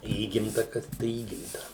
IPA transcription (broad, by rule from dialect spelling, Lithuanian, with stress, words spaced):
ˈiːɡʲɪmtɐ ˈkɐs tɐɪ ˈiːɡʲɪmtɐ